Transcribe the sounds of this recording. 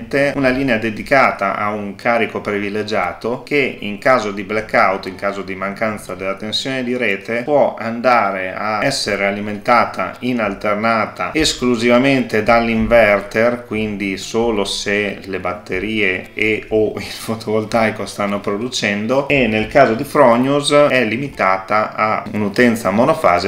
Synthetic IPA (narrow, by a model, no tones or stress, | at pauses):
t̪eunaliːnead̪ed̪ikaːt̪a̰ʔa̰uŋkʰaːɾikopɾiviled͡ʒaːt̪ok̟eḭŋkaːzod̪iblakːawt̪iŋkaːzod̪imaŋkant̪sad̪elːat̪ensjoːned̪iɾeːt̪epwɔand̪aːɾeaɛsːeɾealiment̪aːt̪ʰa̰inalt̪ernaːt̪aeskluzivament̪ed̪alːiɱvɛrt̪erkwind̪isoːloselebat̪ːeɾiːeeoilfot̪ʰovolt̪ajkost̪anːopɾod̪ut͡ʃɛnd̪oenːelkaːzod̪ifɾɔɲuzɛlːimit̪aːt̪aaunut̪ɛnt̪samonofa̰ːze